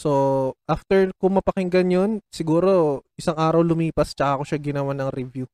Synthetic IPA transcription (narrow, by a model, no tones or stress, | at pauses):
so̞ʔaft̪ɛɹkʊŋmɐpɐkɪŋɡɐnjo̞nsɪɡuːɾo̞ʔɪsaŋʔaːɾɐwlʊmiːpɐst͡ʃɐkakoʃaɡɪnɐwanɐŋɾɛvju